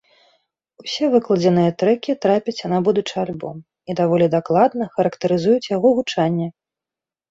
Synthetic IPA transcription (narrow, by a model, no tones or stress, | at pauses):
usʲɛvɨklˠɐd͡zʲɛnɨjɛt̪ɾɛkʲit̪ɾapʲɛt͡sʲjanabud̪ut͡ʂɨalʲbɔ̰m | id̪avɔlʲid̪aklˠad̪nɐxɐɾɐkt̪ɨɾɨzujut͡sʲjaɣɔɣut͡ʂanʲːɛ